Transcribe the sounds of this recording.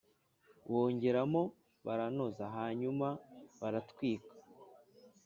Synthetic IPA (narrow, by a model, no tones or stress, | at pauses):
wo̞ːɲɟe̞ɾamo̞ | βaɾanozaɦaɲumaβaɾatwiːkḁ